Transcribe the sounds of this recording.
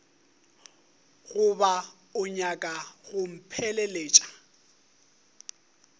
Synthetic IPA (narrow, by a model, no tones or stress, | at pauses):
ɣʊba | ʊɲakʼaɣʊm̩pʰɛlɛleːt͡ʃʼḁ